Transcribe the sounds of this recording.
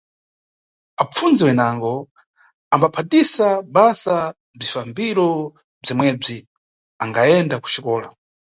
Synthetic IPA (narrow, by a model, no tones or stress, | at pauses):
ap͡fund͡zɛwɛnaŋɡɔ | ambapʰatisaɓasa | b͡ʐifambiɾɔ | b͡ʐimwɛb͡ʐi | aŋɡaɛndaku̥t͡ʃikɔːla̰